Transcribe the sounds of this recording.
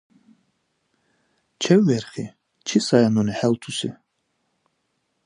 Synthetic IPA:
t͡ʃʰɛwːɛɾχi | t͡ʃʰisajanɔniħɛlt̪ʰusi

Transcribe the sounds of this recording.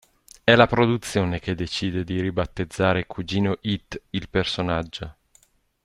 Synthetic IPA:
ɛlapɾod̪ut̪sːjoːneked̪ːet͡ʃiːd̪ed̪iɾibat̪ːed̪zːaːɾekʰud͡ʒiːnoʔit̪ːilpersonad͡ʒːo

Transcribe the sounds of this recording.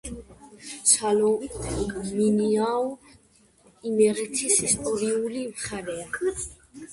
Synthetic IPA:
salɔ | miniaw | imɛɾɛt̪ʰisist̪ʼɔɾiulimχaɾɛa

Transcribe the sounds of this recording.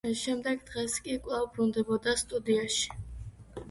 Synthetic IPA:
ʃɛmd̪ɛɡd̪ʁɛskʼikʼlˠavbɾund̪ɛbɔd̪ast̪ʼud̪iaʃi̥

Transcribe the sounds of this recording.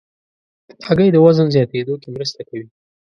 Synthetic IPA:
d̪̥əaɡəjd̪əwazənzjɑt̪ed̪okemɾəst̪akawi

